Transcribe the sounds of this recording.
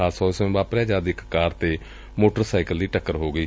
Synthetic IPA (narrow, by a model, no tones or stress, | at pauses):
aːsɔːsẽbaːpɾɛːd͡ʒaːd̪ɪkːaːɾt̪eː | moːʈəɾsaːɪkəlːiːʈəkːəɾɦoːɡəiː